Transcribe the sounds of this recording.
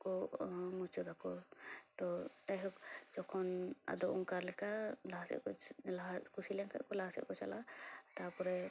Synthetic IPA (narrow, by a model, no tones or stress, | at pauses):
kɔmut͡ʃɔd̪akɔt̪ɔaɦɔkd͡ʒɔkʰɔna̰d̪ɔʔɔŋkaɾlɛkalasɛ̰ʔkɔlakusilɛŋka̰ʔkɔlaɦasɛ̰ʔkɔt͡ʃalat̪aɾpɔɾɛ